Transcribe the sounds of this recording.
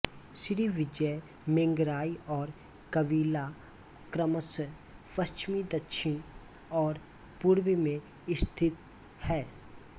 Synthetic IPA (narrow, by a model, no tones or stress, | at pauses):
sɾiʋɪd͡ʒə | mẽŋɡɾaːiɔːɾ | kəʋiːla | kɾəməs | pəst͡ʃmid̪əkʃʰɪn | ɔːɾ | puɾwimẽ | ɪst̪ʰɪt̪ | hɛː